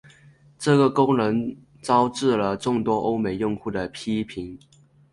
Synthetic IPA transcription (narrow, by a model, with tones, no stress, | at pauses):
ʈ͡ʂɤ˥˩ɡə˩kʊ˥ŋnɤ˧˥ŋ | t͡sɑ˥ʊʈ͡ʂɻ̩˥˩lə˩ʈ͡ʂʊ˥˩ŋt̪wɔ˥ʔo˥ʊme˨˩ɪjʊ˥˧ŋxu˥˩d̪ə˩pʰi˥pʰi˧˥ŋ